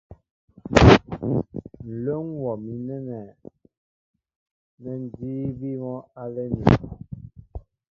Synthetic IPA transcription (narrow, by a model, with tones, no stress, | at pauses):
n̩˨lo˦ŋwɔ˨mi˨nɛ˦nɛ˨ | nɛ˨n˨diː˦bi˦mɔ˦a˦lɛ˦nḭ˨